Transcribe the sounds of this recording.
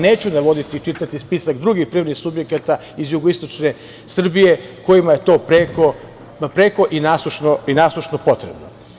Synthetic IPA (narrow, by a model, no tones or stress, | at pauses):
neːt͡ɕunaʋo̞d̪it̪it͡ʃit̪at̪ispisakd̪ɾuɡixpɾiːʋɾnisubje̞kat̪a | izjuɡoist̪o̞t͡ʃne̞ | sr̩bije̞ko̞jimaje̞t̪o̞ːpɾeko | pɾeːko̞ʔinaːsˠuʃnoinaːslˠuʃnopo̞t̪ɾebno